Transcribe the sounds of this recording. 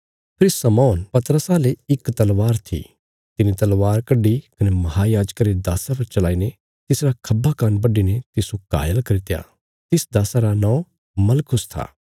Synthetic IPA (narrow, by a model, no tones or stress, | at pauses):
pʰɪɾsɐmɔːnpɐt̪əɾəsaleɪkt̪ɐlʋaːɾt̪ʰḭ | t̪ɪnit̪ɐlʋaːɾkɐɖːikɐnemɐɦajaːd͡ʒkaɾed̪aːsapɐɾt͡ʃɐlaːine | t̪ɪsɾakʰɐbakaːnbɐɖinet̪ɪsuka̰ːjəlkɐɾɪt̪ja̰ | t̪ɪsd̪aːsaɾanɔ̃ː | mɐlkʰʊst̪ʰa̰ː